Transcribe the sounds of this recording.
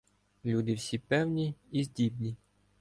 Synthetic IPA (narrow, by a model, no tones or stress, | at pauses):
lʲud̪ɪwsʲipɛwnʲiːzʲdʲibnʲi